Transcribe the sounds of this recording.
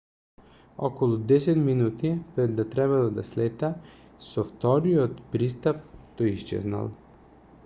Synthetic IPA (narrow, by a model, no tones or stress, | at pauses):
ɔkɔlˠud̪ɛsɛt̪minut̪ipɾɛd̪ːat̪ɾɛβalˠad̪a̰slɛt̪a | sɔft̪ɔɾijɔt̪pɾist̪ap̚t̪ɔjiʃt͡ʃɛ̰zna̰lˠ